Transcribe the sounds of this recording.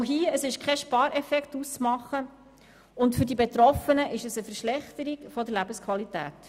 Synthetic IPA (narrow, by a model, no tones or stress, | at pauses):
ɦiːəsɪʃkʰɛʃpɑːɾɛfɛkχtust͡smɑχːə | ʊntfʏɾdibet̪ɾɔfənəʔɪʃəsəfəɾʃlɛχt̪əɾiɡfɔd̪əɾlæbəskʰʋɑlitæ̰ːt